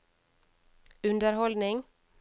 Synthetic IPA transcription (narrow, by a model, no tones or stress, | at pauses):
ʉnd̪əɾhɔld̪nɪŋ